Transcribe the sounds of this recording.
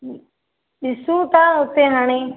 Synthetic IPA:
ɗɪsũːt̪aːʊt̪eːɦaːɽ̃eː

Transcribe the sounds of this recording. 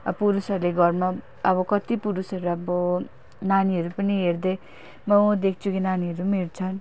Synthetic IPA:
ʌpuɾusʌɾuleɡʌrma | ʌbʌkʌt̪ipuɾusʌɾuʌbʌ | naniɦʌɾupʌniɦerd̪ʌ | mʌd̪ekʰt͡sʰukinaniɦʌɾumirt͡sʰʌn

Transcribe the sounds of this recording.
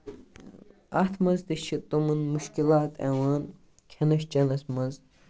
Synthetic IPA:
ɐt̪ʰmɐzd̪iʃʰit̪omɐnmuʃkilaːt̪ɛ̰waːn | kʰɐnɐʃt͡ʃɐnɐsmɐz

